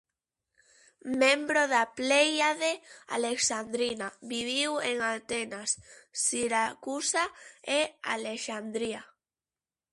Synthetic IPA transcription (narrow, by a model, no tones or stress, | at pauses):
mẽmbɾoðaplejaðea̰leksand̪ɾinaβiβ̞iweŋant̪enasːiɾakusaea̰leʃand̪ɾia